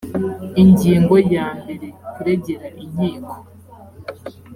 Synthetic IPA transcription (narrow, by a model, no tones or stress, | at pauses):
iɲɟiːŋɡo̞jaːmbe̞ɾekuɾe̞ɟe̞ɾaʔiɲiːkʰo̥